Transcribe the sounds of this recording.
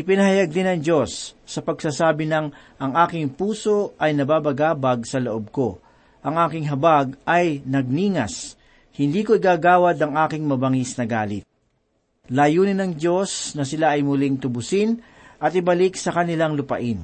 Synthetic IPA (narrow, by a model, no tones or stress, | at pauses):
ʔɪpɪnɐhɐjaɡ̚d̪ɪnɐŋd͡ʒo̞sːɐpɐɡsaːsaːbɪnɐŋ | ʔɐŋʔaːkɪŋpuːso̞ʔɐjnɐbaːbɐɡaːbɐɡ̚sɐloʔob̚ko̞ | ʔɐŋʔaːkɪŋɦɐbaɡ̚ɐjnɐɡ̚niːŋɐs | hɪnd̪iːkoɪɡaːɡaːwɐd̪ɐŋʔaːkɪŋmɐbɐŋisnɐɡaːlɪt̪̚ | laːjuːnɪnɐŋd͡ʒo̞snɐsɪlaʔɐjmʊlɪŋt̪ʊbʊsɪn | ʔɐt̪ɪbɐlɪksɐkɐnɪlaŋlʊpɐ̰ʔɪn